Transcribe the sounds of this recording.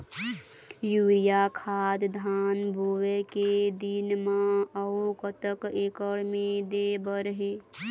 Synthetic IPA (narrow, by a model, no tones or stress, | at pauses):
juːɾijakʰaːd̪d̪ʱaːnboweked̪inmaəukət̪əkeːkəɽmẽd̪ebəɾɦe